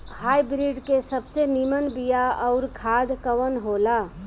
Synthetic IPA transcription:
hajbɾiɖkesəbsenimənbijaəʊɾkʰad̪kəwənɦola

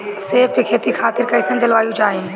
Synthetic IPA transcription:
seːfkekʰeːt̪ixʰaːt̪ɪɾkɐisə̃nd͡ʑɐlʋaːjũt͡ʃaːɦe

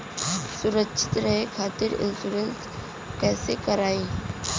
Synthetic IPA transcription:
sʊɾəkːʃʰɪ̥t̪ɾɐɦekʰaːt̪ɪɾɪ̰lsʊɾəlt̪ | kɛːsekɐɾaːiː

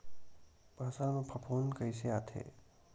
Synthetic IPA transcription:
baːsalmẽpʰɐpʰoːnkəjseaːt̪ʰḛː

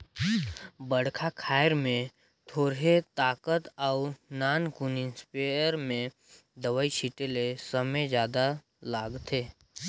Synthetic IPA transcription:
bəɽkʰakʰaːjəɾmẽ | t̪ʰoːɾɦet̪aːkət̪əʊnaːnkunɪ̃nspeəɾmẽ | d̪əʋait͡ʃʰiʈelesəməjd͡ʒjaːd̪a | laːɡt̪ʰeː

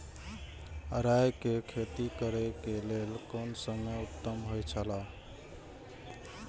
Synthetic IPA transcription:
əɾajkekʰet̪ikəɾekelelkonsəmeut̪ːəmɦojt͡ʃʰəla

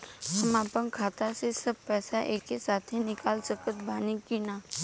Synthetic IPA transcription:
səmaːpə̃ŋkʰaːt̪asesəb̚pɛːsaʔeːkesaːt̪ʰinɪkaːlsəkət̪̚bʱaːnikinaː

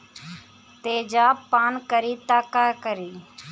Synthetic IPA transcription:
t̪eːd͡ʒaːpaːnkəɾiːt̪aːkaːkəɾiː

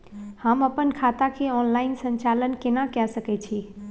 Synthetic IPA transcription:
həməpənkʰat̪akʰeɔnlaɪnsə̃ɲt͡ʃalənkenakasəkɛt͡ʃʰi

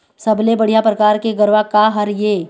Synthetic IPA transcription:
sɐblebɐɽ̤ijapɾɐkaːɾkeɡɐɾʋakaɦɐɾjeː

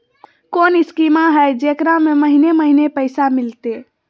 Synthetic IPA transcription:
koniskimaɦəjd͡ʒekɾameməɦineməɦinepəɪsamilt̪e

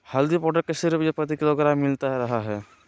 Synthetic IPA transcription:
hɐld̪ipɔɖək̚kesɪɾbjepɾɐt̪ikɪloɡɾamːɪlt̪aɾɐɦaɦɛː

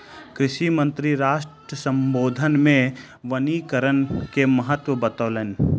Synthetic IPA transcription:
kɾɪʃimə̃nt̪ɾiɾaːʃʈɾəsə̃mboːd̪ʱənmẽ | ʋənikəɾənkemɐɦət̪ʋəbɐt̪ɔːlen

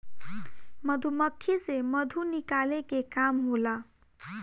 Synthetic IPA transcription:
mʌd̪ʱumʌkʰːisemʌd̪ʱunikalekekamɦolʌ

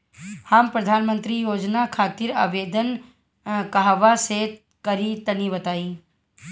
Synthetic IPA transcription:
hampɾɐd̪ʱaːnmə̃nt̪ɾijoːd͡ʒnakʰaːt̪ɪɾa̰ːʋeːd̪ən | kaɦʋaset̪ | kəɾit̪ənibɐt̪aːiː

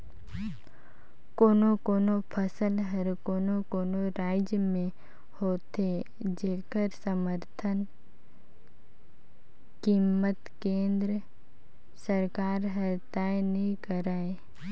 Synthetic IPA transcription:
koːnokoːnopʰəsəlɦɐɾkoːnokoːnoɾaːɪd͡ʒəmẽ | hoːt̪e | d͡ʒeːkəɾsəməɾt̪ʰən | kimːət̪kẽːnd̪ɾə | səɾkaːɾɦɐɾt̪aːjnɦĩkəɾaːe

